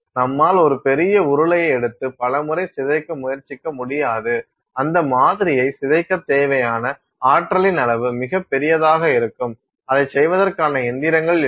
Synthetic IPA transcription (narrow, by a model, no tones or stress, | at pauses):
nɐmːaːlɔɾɯpɛɾɪjɐʊɾɯlɐjɐɪɛɽɯt̪ːɯpɐlɐmɯɾɐɪsɪðɐɪkːɐmʊjɐɾt͡ʃɪkːɐmʊɽɪjaːðɯ | ɐnd̪ɐmaːðɪɾɪjɐɪsɪðɐɪkːɐt̪ːeːʋɐjaːnɐ | aːʈːɾɐlɪnɐlɐʋɯmɪɣɐpːɛɾɪjɐðaːɣɐɪɾɯkːɯm | ɐðɐɪsɛjʋɐðɐrkaːnɐɛnd̪ɪɾɐŋɡɐɭ